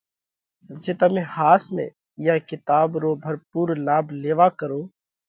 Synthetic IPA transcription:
d͡ʒeːt̪əmẽːhaːsmḛ̃ː | jaːkɪt̪aːbɾoːbʱəɾpuːɾlaːbleːʋaːkəɾoː

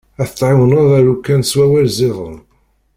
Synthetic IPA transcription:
æθət̪ːˤʕɪwənæðˤæɾukːænswæwælzɪðˤə̰m

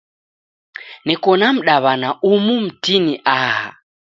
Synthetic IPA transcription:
nɛkɔnam̩ɗaβanaʔumum̩tiniʔaːɦa̰

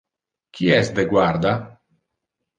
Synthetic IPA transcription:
kʰiɛsd̪eɡwaɾd̪a

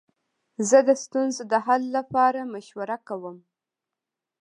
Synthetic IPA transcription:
zəd̪əst̪unzod̪əɦalːapɑɾamaʃwaɾakawəm

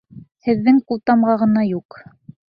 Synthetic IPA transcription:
hɘ̆ðːɘŋqulˠt̪ɑmʁɑʁɤ̆nɑjuq

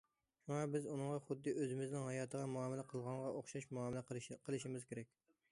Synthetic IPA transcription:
ʃuŋɑbɪzunɨŋʁɑχʊd̪ːɨʔøzɪmɪznɪŋhɑjɑːt̪ʰəʁɑmuɑːmɪlɛqʰəlˠʁɑŋʁɑʔoχʃɑʃmuɑːmɪlæqʰəlˠɨʃimɪz̥kʲeɾɛkʲ

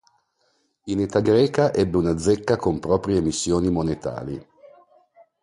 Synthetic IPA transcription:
inet̪aɡɾɛːkaʔɛbːeunad̪zɛkːakompɾɔːpɾjeːmisːjoːnimonet̪a̰ːɾḭ

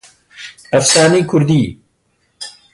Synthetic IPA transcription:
ɐfsaːniːkʰʊɾd̪iː

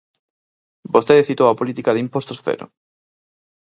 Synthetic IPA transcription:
bost̪eðeθit̪owapolit̪ikaðimpost̪osθḛɾʊ̰

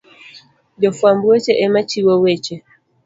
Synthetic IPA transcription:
d͡ʒɔfwambuɛt͡ʃɛʔɛmat͡ʃiwɔwɛt͡ʃɛ

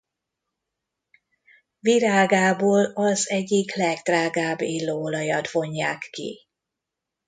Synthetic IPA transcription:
viɾaːɡaːboːlɒzɛɟːiklɛɡd̪raːɡaːbːilːoːolɒjɒt̪vo̞ɲːaːkːḭ

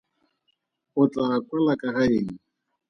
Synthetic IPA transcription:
ʊt͡ɬʼakʼwalakʼaɣaeːŋ̩

